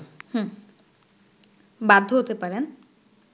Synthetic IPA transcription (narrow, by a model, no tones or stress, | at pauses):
hɛ̃ | bad̪ʱːoɦot̪epaɾen